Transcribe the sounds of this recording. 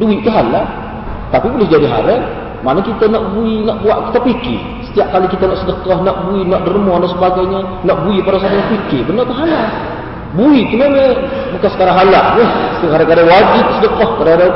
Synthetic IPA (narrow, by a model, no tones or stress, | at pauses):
duiʔk̪əɦala | t̪apibolɪhd͡ʒadiɦa̰ɾən | manakit̪anaʔbuinaʔbuaʔki̥t̪apikɪ̰h | sə̥t̪iaʔ̚kalikit̪anaʔsədəkɔhnaʔbuinaʔdərmɔdasəbaɡajɲa | naʔbuipadas̬at̪anapikɪhbənərt̪əɦala | buik̪unaməbukansə̥kaɾaɦalaʔjəkaɾakadawad͡ʒɪp̚sədəkɔhkadakada